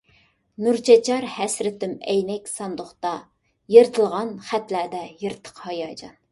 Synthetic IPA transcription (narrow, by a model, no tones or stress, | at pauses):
nuɾt͡ʃʰɛt͡ʃʰɑɾhɛsɾɪt̪ɪmɛjnɛkʲsɑnd̪ʊχt̪ɑ | jeɾt̪ʰɨlˠʁɑnχæt̪læd̪ɛjeɾt̪ʰə̥qhɑjɑːd͡ʒɑ̰n